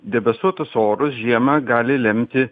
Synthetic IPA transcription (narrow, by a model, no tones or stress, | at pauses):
d̪ʲɛbʲɛst̪uɔt̪ʊsoːɾʊsʒʲiɛmɐːɡɑːlʲɪlʲɛmʲt̪ʲɪ